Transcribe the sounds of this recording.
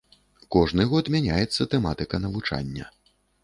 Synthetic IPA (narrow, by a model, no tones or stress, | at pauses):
kɔʐnɨɣɔt̪mʲanʲajɛt̪sːɐt̪ɛmat̪ɨkɐnɐvut͡ʂa̰nʲːɐ̰